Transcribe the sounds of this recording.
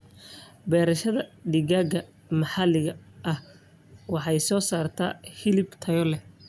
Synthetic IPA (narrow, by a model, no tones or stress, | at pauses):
bɛːɾɐʃɐðɐɖɪɣaːɡɐ | mɑħɑlɪɣɐʔɐh | wɑħɑjsɔːsaːrt̪ʰa̰ːhɪlɪbt̪ʰɐjɔlɛ